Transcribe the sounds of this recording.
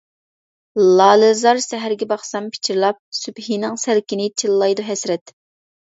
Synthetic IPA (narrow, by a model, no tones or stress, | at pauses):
lɑːlˠɨzɑɾsɛɦæɾɡʲɛbɑχsɑmpʰɪ̥t͡ʃʰiɾlˠɑp̚sybhinɪŋsælkʲinɪt͡ʃʰilˠːɑjd̪uɦɛsɾɛt̪